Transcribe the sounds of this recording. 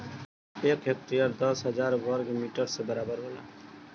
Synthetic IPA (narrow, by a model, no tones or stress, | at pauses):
eːkek̚t̪iəɾd̪əsɦəd͡ʒaːɾwəɾɡmiːʈəɾsebəɾaːbəɾɦola̰